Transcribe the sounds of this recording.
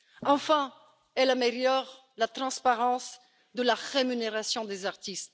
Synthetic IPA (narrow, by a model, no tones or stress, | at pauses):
ɑ̃fɛ̃ | ɛlameljɔʁ | lat̪χɑ̃spaʁɑ̃s | d̪əlaʁemyneʁasjɔ̃d̪ezaʁt̪ist̪